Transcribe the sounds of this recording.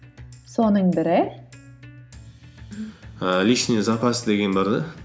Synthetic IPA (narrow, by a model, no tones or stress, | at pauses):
sonəɴbɪɾɪ | liʃnʲizapʰasd̪eɡʲenbɪɾd̪ɪ